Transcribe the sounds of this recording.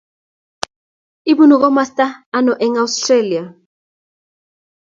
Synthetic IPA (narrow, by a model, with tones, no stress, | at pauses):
i˦bu˦nɔ˨k̬ɔ˦ma˦sta˦a˦nɔ˨ʔɛ˦ŋawstre˦li˨a˨